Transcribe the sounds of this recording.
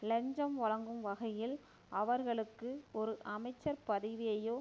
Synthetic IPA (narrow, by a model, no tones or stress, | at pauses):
lɛɲd͡ʒɐmʋɐɭɐŋɡɯmʋɐɣɐjɪl | ɐʋɐɾɣɐɭɯkːɯɔɾɯʔɐmɐɪt͡ʃːɐɾpɐðɪʋɪjɐjoː